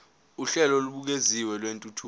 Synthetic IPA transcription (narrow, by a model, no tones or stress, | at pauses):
uɬɛlɔluɓuk̬eziwɛlwentʼutʰu